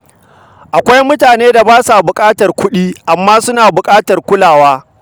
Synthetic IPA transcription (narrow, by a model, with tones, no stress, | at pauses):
ʔa˨kʷa˦jmʊ˦taː˨neː˦da˨baː˦sa˨bʊ˨kʼaː˦tɐ˨rkʷʊ˦ɗiː˦ʔa˨mːaː˦sʊ˦naː˨bʊ˨kʼaː˦tɐ˨rkʷʊ˦laː˨waː˦